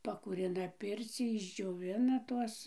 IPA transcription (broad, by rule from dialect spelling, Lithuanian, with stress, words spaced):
pɐkuːˈrʲɪnɐ ˈpʲɪrʲt͡sʲiː ɪʒʲd͡ʒʲoːˈʋʲɪnɐ ˈtuɔs